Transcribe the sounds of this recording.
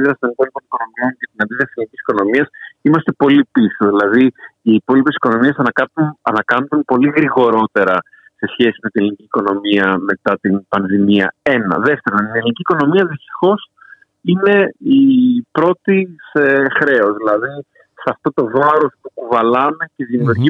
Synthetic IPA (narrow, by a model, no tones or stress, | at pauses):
iðɾɐst̪o̞nipo̞lipo̞niko̞no̞mio̞ncet̪inɐnd̪iðiɐselnicisi̥ko̞no̞miɐsimɐst̪e̞po̞lipisoðilɐðiiːpo̞lipe̞si̥ko̞no̞miesɐnɐkɐunɐnɐkɐnd̪unpo̞liɣɾiɣo̞ɾo̞t̪e̞ɾɐ | se̞sçe̞sime̞t̪inelinicʲiːko̞no̞miɐme̞t̪ɐt̪inpɐnðimiɐ̰e̞nɐ̰ðe̞ft̪e̞ɾont̪inelniciːko̞no̞miɐðist̪i̥xo̞s | ine̞ipɾo̞t̪isexɾe̞o̞zðilɐði | sɐft̪o̞t̪o̞vɐɾo̞spukuvɐlɐme̞ce̞ðimiuɾʝi